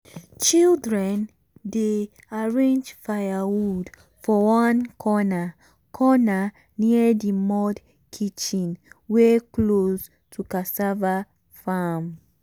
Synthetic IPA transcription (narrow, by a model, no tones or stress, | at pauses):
t͡ʃildɹɛ̃n | de | aɹẽnd͡ʒfajawud | fɔwãnkʰɔna | kʰɔna | niədimɔd | kʰit͡ʃĩnwekloz | tʰukasava | fam